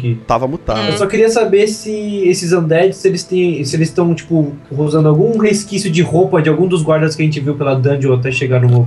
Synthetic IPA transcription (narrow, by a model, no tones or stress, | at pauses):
kit̪a̰vɐmut̪a̰ewsɔkɪɾiɐsabesɪesɪzɐ̃nd̪ɛd͡ʒɪsɪelɪst̪ẽj̃sɪelɪst̪ɐ̃w̃t͡ʃi̥pʊɦozɐ̃nd̪ʊawɡũheskisjʊd͡ʒɪhopɐd͡ʒɪawɡũd̪ʊzɡwaɾd̪ɐskʲɪɐʒẽnt͡ʃɪviwpelɐd̪ɐ̃d͡ʒɪowat̪ɛʃeɡanũmo